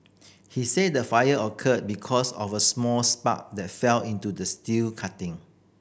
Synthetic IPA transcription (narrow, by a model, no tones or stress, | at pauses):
hisedəfajəəkʰət̚bikʰɔsɔ̰fəsmɔlspa̰k̚dɛt̚fɛlĩntudəstilkʰatɪ̃ŋ